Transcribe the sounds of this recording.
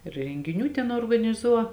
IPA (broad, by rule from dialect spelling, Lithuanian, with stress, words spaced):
rʲɛŋʲɡʲɪˈnʲuː ˈtʲɛn oːrɡɐnʲɪˈzuɔ